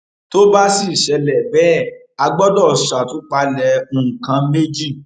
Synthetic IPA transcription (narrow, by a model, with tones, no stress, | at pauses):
to˦ba˦si˦˨ʃɛ˨˧lɛ˨bɛ˦˨ | a˧ɡ͡bɔ˦dɔ˦˨sa˨tũ˨˦k͡pa˧lɛ˧ũ˨ŋ̩˨kã˧˦me˦d͡ʒi˦˨